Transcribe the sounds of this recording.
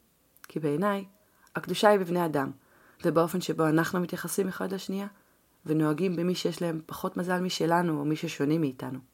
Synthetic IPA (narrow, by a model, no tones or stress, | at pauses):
kʰibe̞ːnaj | akduʃaibivneadam | vebeo̞fe̞nʃe̞bo̞anaχnumit̪jaχasimeχadlaʃnija | veno̞aɡimbemiʃe̞jeʃlae̞mpaχo̞tmazalmiʃe̞lanuomiʃeʃo̞nemiːta̰nu